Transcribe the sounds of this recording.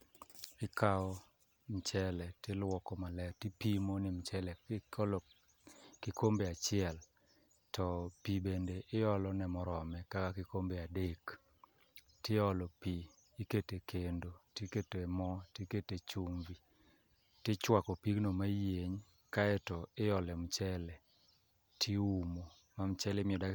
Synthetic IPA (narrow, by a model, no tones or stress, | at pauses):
ɪkʰaɔ | mt͡ʃɛlɛtɪlwɔkɔmalɛtɪpimonɪmt͡ʃɛlɛl | kɪkombeat͡ʃɪɛl | tɔpibendeʔɪɔlɔnɛmɔɾɔmɛkakakɪkombeadek | teɔlɔpiː | ketekʰendoteketemɔtiketet͡ʃumvi | tɪt͡ʃwakɔpiknomajeɲ | kaɛtɔɪjɔlɛmt͡ʃɛlɛ | tʰiumo | mamt͡ʃɛlɛmɪɔda